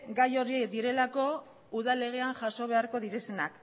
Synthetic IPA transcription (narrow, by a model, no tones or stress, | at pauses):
ɡajo̞ɾied̪iɾe̞lako̞ | uðale̞ɣ̞e̞anʝaso̞β̞e̞aɾko̞ð̞iɾe̞senak